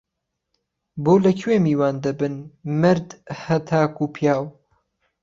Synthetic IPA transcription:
boːlɐkʰweːmiːwaːnd̪ɐbɨnmɨɾd̪hɐt̪ʰaːkupʰjaːw

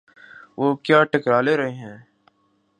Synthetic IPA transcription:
ʋoːkjaːʈɐkɾaːleɾɐɦeːɦɛ̃ː

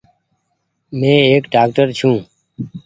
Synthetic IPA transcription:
mẽːeːkɖaːk̚ʈəɾt͡ʃʰũː

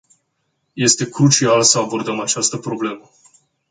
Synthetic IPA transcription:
je̞st̪e̞kɾut͡ʃialsəabo̞rd̪əmat͡ʃast̪əpɾo̞ble̞mə

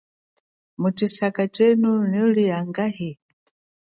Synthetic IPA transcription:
mutisakat͡ʃɛnunɔliaŋɡahɛ

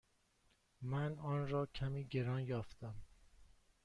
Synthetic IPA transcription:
mænɒːnɾɒːcʰæmiːɟe̞ɾɒːnjɒːft̪æm

